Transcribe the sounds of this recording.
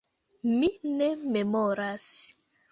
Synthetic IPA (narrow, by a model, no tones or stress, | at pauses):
minɛmemoɾas